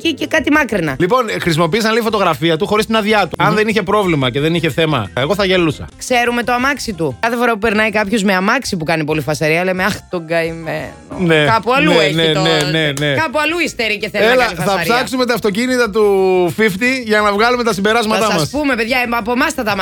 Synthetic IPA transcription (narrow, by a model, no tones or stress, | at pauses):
cicekɐt̪imɐkɾinɐlipo̞nxɾis̬imo̞piisɐnlifo̞t̪o̞ɣɾɐfiɐt̪uxo̞ɾist̪inɐðjɐt̪uɐnðe̞niçe̞pɾo̞vlimɐce̞ðe̞niçe̞θe̞mɐ̰eɣo̞θɐʝelusɐ̰kse̞ɾume̞t̪oɐmɐksit̪ukɐθefo̞ɾɐpupeɾnɐikɐpçozmeɐmɐksipukɐnipo̞lifɐsɐɾiɐlemeɐxt̪oɡɐimeno̰nekɐpuɐluenenenenekɐpuɐluist̪eɾiceθeelɐifɐθɐɐɾsɐksume̞t̪̬ɐft̪o̞cinit̪ɐt̪ufift̪iʝɐnɐvɣɐlumet̪ɐsimbe̞ɾɐzmɐt̪ɐɐmɐsspume̞peðʝɐɐpomɐst̪ɐt̪ɐm